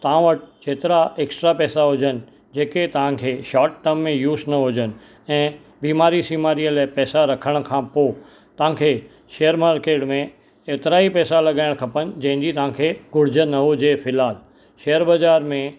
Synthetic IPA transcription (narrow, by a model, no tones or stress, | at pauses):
t̪ɐãʋəʈɪt͡ɕeːt̪ɪɾaeːksʈɾapɛːsaɦʊd͡ʑənɪ̆ | d͡ʑeːket̪ɐʋ̤ãkʰeːʃaːʈːəmːẽjuːsnɐɦʊd͡ʑən̆ | ɛ̃ː | biːmaːɾisiːmaːɾiəlaːpɛːsaɾɐkʰəɽ̃kʰãːpoː | t̪ɐʋ̤ãkʰeː | ʃeːəɾmaːɾkeːʈmẽ | eːt̪ɪɾaːipɛːsalɐɠaːɪɽ̃kʰɐpənɪ̆d͡ʑɐ̃ɦɪ̃ɲd͡ʑit̪ɐʋ̤ãkʰeːɡʊɽ̤ɪd͡ʑə̆nɐɦod͡ʑeːfɪlɦaːl | ʃeːjəɾbazaːɾmẽ